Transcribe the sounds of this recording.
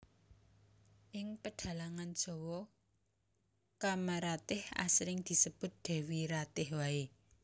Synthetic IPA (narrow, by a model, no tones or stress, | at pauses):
ʔɪŋpəɖ̥a̤laŋand̥ʒ̥ɔ̤wɔ | kamaɾat̪ɪha̰sɾɪŋd̪̥i̤səb̥ʊ̤t̪̚d̪̥ɛ̤wiɾat̪ɪhwae